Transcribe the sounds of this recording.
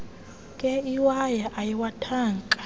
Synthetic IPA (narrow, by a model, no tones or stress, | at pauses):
kʼɛiwajaʔajiwatʰaːŋkʼḁ